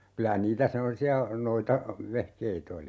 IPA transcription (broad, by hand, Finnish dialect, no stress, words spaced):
kylæ niːtæ semːosiɑ noitɑ ʋehkeit oli